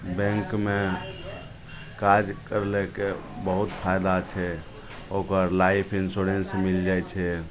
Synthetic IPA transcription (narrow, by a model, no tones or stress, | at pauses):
bɛ̃ŋkme | kad͡ʒkəɾlekebəɦut̪pʰajd̪at͡ʃʰɛ | okəɾlaipʰinsuɾensmild͡ʒajt͡ʃʰɛ